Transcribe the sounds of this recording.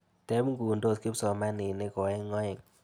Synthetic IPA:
tɛ˦m˦ɡu˨ndo˦˨ski˦psɔ˨ma˦nɪ˨nɪ˦kɔ˨ɛ˦ŋɔ˦ɪ˨ŋ

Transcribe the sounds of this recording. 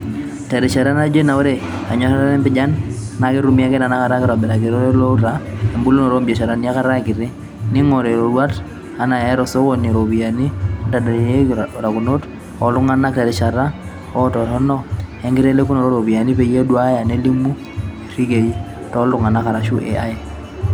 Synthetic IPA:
te˨ɾɛ˨t͡ʃa˨ɾa˦na˦d͡ʒe˦na˨wo˦ɾe˦˨ | a˨ɲɔ˦sa˦ta˦nɛ˦mbɪ˦d͡ʒa˦nna˨ki˦ɾu˦mi˦a˦kɛ˦na˨na˦ka˨ɾa˦kɪ˦ɾɔ˨bɛ˨ɾa˨ki˨ɾo˦lo˦ɾa˦e˨mbu˦lo˦nɔ˨ɾo˦mbi˨e˨ʃa˨ɾa˦ni˦a˦ka˦ɾa˦˨kɪ˨ɾi˦ | ni˦ŋo˨ɾe˨ɾo˨ɾwa˦t | a˨na˨ɛ˦ɾɔ˨so˦wo˦ni˨ɾo˨bi˨ja˨ni˦nta˨de˨je˦ɾa˨ku˨no˦t | ɔ˨lʊ˦ŋa˦na˦kta˨dɛ˨ʃa˨ɾa˦ | ɔ˦tɔ˨ɾɔ˦nɔ˦ɛ˦ŋɡɪ˦ɾe˦le˦ku˦no˨ɾo˦ɾo˨bi˨ja˨ni˦pe˨je˦du˦a˦ja˨ne˦li˦mu˦˨ | ɾi˦ke˨i˦ | tɔ˦lu˦ŋa˨na˦ka˨ɾa˨ʃu˦ʔḛ˨ʔa˦je˨

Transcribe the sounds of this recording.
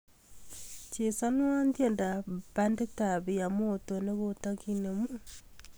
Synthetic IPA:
t͡ʃe˨sa˦no˦a˦ndi˦e˨nda˨βande˦taβi˨ja˨moːto˨ne˦βotakine˨mu

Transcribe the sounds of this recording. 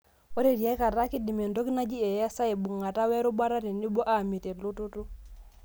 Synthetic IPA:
o˦ɾe˦˨ɾja˦ka˨ɾa˦ki˦di˨me˨ndo˦ki˦na˦d͡ʒi˦ɛ˨ja˦sa˦e˨bu˨ŋa˨ta˦wɛ˦ɾo˦ba˦ɾa˦ɾe˨ni˦bo˦ʔa˦˨mi˨te˨lu˦tu˦tu˦

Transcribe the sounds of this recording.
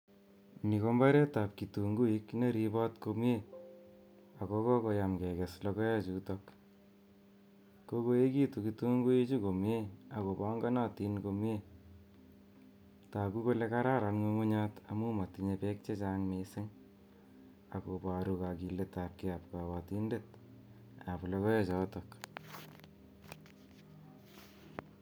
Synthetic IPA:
ni˨ko˦mba˦ɾe˦ta˨p̚ki˨tu˨ŋɡu˦i˦kne˦ɾi˦ba˦tko˧m˦je˦ | a˨kɔ˦kɔ˦ko˧jamkɛ˨kɛ˨slɔkɔ˦ja˦t͡ʃu˨tɔk | ko˦ko˦e˦ki˦tu˨kitu˦ŋɡu˦ji˦t͡ʃu˦ko˨m˦e˦a˨ko˨ba˦ŋɡa˦na˦ti˦nko˧me˦ | taku˦ko˦leka˦ɾa˦ɾanŋo˧ŋo˦ɲa˦tamu˦ma˨tiɲepe˦k̚t͡ʃe˦t͡ʃaːŋmesɪŋ | ako˨paɾuka˨ki˨leta˨p̚kiapka˨wa˨ti˦ndet̚ | aplɔ˧kɔ˦jet͡ʃa˦tɔk

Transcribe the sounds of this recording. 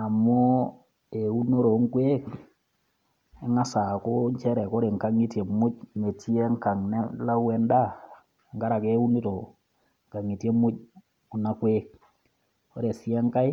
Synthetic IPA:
a˨mʊ˦ | e˨u˦no˦ɾo˨˦ŋkwe˦k | e˦ŋa˦sa˨ko˦ɲt͡ʃɛ˦ɾɛ˨kɔ˦ɾe˨ŋka˨˦ŋi˦tje˨mʊ˦t͡ʃme˨ti˦ɛ˦ŋka˨ŋnɛ˦la˦wɛ˨nda˦˨ | ŋɡa˦ɾa˨ke˦u˦ni˦to˨ | ŋka˨ŋi˨tje˦mʊ˦t͡ʃ̚ | ʊ˨na˦kwe˦k̚ | o˦ɾe˨si˦ɛ˦ŋka˦j

